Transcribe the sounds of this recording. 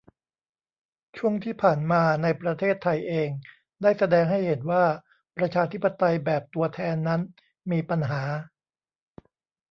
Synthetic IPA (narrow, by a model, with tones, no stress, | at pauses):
t͡ɕʰu˥˩əŋt̪ʰiː˥˩pʰaː˨˩nmaː˧na˧jpɾa˧t̪ʰeː˥˩t̪ʰːa˧jʔeː˧ŋ | daː˥˩jsa˧dɛː˧ŋɦa˥˩jhe˩˦nwaː˥˩ | pɾa˧t͡ɕʰaː˧t̪ʰi˦˥pːa˧t̪a˧jbɛː˨˩p̚t̪u˧ɐt̪ʰɛː˧nːa˦˥n | miː˧pa˧nɦaː˩˦